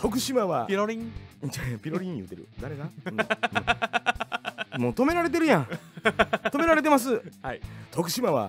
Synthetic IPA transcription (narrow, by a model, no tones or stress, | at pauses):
t̪o̞kɯ̟ɕimaβaɾoɾĩapʲiɾoɾʲĩjɯ̟ːt̪eɾɯ̟̰d̪aɾe̞ɡaɯ̃ː | moːt̪o̞me̞ɾaɾe̞t̪̬e̞ɾɯ̟jã | o̞me̞ɾaɾe̞t̪e̞mas̬ɨait̪ʰo̞kɯ̟ɕimaβa̰